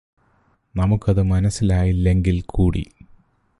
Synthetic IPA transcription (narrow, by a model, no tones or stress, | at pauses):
nɐmukːɐðɨmɐnɐsilaːjilːe̞ŋɡilkʰuːɽḭ